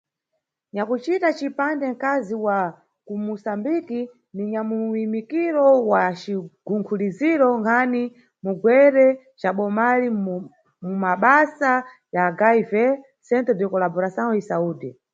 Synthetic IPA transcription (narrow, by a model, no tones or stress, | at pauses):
ɲakut͡ʃitat͡ʃipandɛŋ̩kaziwa | kumusambiki | niɲamuwimikiɾɔwat͡ʃiɡ̥uŋkʰuliziɾɔŋɡʰani | muɡwɛɾɛ | t͡ʃaɓɔmali | mumaɓasa | jaɡaivɛ | sɛntɛdjɔkɔlabɔɾasanɔisauːdɛ